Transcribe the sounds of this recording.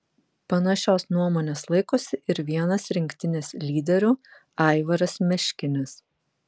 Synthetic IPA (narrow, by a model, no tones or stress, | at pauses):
pɐnɐʃʲoːsnuɔmoːnʲeːslˠɐɪkosʲɪʔɪɾʋʲiɛnɐsɾʲɪŋʲkʲt̪ʲɪnʲeslʲiːd̪ʲɛɾʲu | ɑˑɪʋɐɾɐsmʲɛʃʲkʲɪnʲɪs